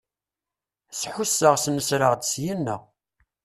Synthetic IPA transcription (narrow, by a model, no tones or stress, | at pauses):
sħusːəʁsnəsɾəʁd̪sjinːə̰ʁ